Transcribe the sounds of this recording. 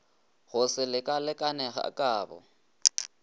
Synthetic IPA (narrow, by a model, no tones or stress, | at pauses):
ɣʊsɪlɪkʼalɪkʼanɛɣa̰kʼaːbɔ̰